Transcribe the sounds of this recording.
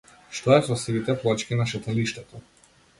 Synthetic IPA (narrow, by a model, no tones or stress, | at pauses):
ʃt̪ɔɛsɔsɾit̪ɛplˠɔt͡ʃkʲinaʃat̪aliʃt̪ɛt̪ɔ